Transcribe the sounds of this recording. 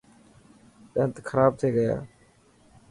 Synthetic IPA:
ɗə̃ːnt̪ːkʰəɾaːb̚t̪ʰeːɡəja̰ː

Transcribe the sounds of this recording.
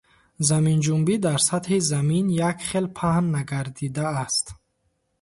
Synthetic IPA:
zamind͡ʒumbid̪aɾsat̪hizaminjakχelpʰahnːaɡaɾd̪id̪aːst̪

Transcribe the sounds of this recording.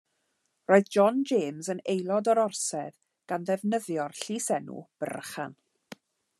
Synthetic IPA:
roːɨðd͡ʒɔnd͡ʒeːmzənejlˠɔdɔɾɔrsɛð | ɡ̥anðɛvnəðjɔrɬiːsɛnṵb̥ə̰rχa̰n

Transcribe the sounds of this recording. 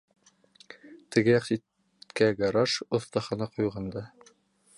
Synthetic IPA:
t̪ɘ̆ɡɘjɑqsit̪ | kæɡɑɾɑʃŏθt̪ɑχɑnɑqujʁɑnd̪ɑ

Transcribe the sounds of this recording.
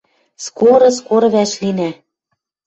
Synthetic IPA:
skoɾɤ̆skoɾɤ̆βæʃlinæ

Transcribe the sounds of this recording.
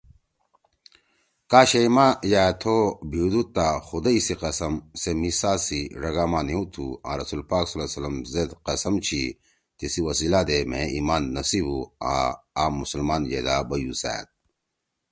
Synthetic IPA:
kaːɕeimajaːt̪ʰobʱid̪ut̪ːaxud̪eisiqɐsɐmsemisaːsiɾɐɡaːmaːneũt̪ʰuã̰ːɾɐsuːlpaːksɐlasɐlɐmzed̪qɐsɐmt͡ɕʰi | t̪isiwɐsiːlad̪emḛ̃iːmaːnːɐsibua̰aːmːusɐlmaːnjḛːd̪aːbɐjusæ̰ːt̪̚

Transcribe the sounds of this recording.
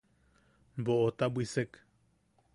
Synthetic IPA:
boʔot̪abwisek

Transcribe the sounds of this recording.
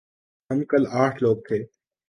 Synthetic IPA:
ɦɐmkɐlaːʈʰloːɡ̚t̪ʰeː

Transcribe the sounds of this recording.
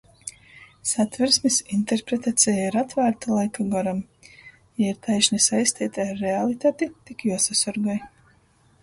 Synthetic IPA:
sat̪vɛɾsmisint̪eɾpɾet̪at̪sɛjaiɾat̪væːɾt̪alˠajkuɡaɾam | jaiɾt̪ʰajʃnisajsʲt̪iːt̪aaɾːealˠit̪aːt̪it̪ikjuɔsasɔɾɡaj

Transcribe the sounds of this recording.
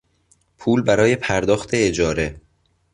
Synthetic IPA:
pʰuːlbæɾɒːje̞pʰæɾd̪ɒːxt̪ʰe̞ːd͡ʒɒːɾe̞

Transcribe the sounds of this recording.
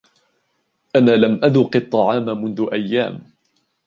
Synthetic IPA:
ʔanaːlamʔad̪ʊqɨt̪ˤːɑʕɑːmamʊnðʊʔajːa̰ːm

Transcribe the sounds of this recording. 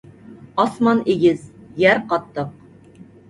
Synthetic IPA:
ɑsmɑneɡʲɪzjæɾqɑt̪ːɤq̚

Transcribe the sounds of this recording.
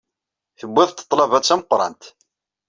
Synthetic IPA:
θəbʷːɪðˤt̪ːə̥t̪ˤːlɑvæt͡sːæməqːɾˤɑ̰nt̪

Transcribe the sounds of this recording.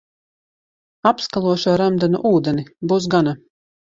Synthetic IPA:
apskalˠuɔʃaɾæmd̪anṵʔuːd̪ɛnibuːs̬ɡana

